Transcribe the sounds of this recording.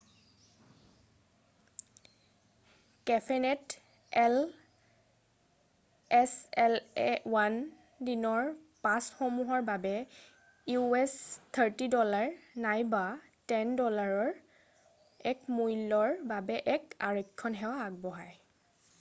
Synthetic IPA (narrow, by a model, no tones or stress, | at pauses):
kɛpʰɛnɛt | ɛl | ɛsɛlɛwan | dinɔɹ | pãsxɔmuɦɔɹbabɛ | juɛst̪ʰəɹtidɔlaɹnajba | tɛndɔlaɹɔɹ | ɛkmujlɔɹbabɛʔɛkaɹɔjkʰːɔnɦɛwaːɡ̚bɔɦaj